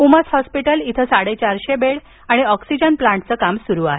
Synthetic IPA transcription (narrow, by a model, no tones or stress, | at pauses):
uməshɔspiʈəlit̪ʰəsaɽet͡ɕaɾɕebeɭ | aɽ̃iɔksid͡ʑənplãɳʈ̚t͡səkamsuɾuaɦe